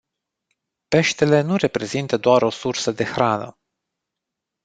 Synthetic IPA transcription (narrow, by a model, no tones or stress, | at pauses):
pe̞ʃt̪e̞le̞nuɾe̞pɾe̞zint̪əd̪oaɾo̞sursəd̪e̞xɾanə̰